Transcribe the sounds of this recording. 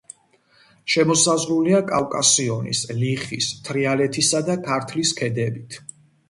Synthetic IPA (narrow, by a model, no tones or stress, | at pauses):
ʃɛmɔsazɾuliakʼawkʼasiɔnḭsliχḭst̪ʰɾialɛt̪ʰisad̪akʰaɾt̪ʰliskʰɛd̪ɛbit̪ʰ